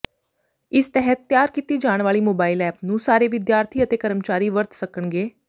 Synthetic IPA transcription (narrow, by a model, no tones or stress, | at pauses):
ɪst̪ɛɦɛt̪ːjaːɾkiːt̪iːd͡ʒaːɳ̃ʋaːliːmoːbaːɪlɛːpnũːsaːɾeːʋɪd̪jaːɾt̪ʰiːət̪eːkəɾəmt͡ʃaːɾiːʋəɾt̪səkəɳɡeː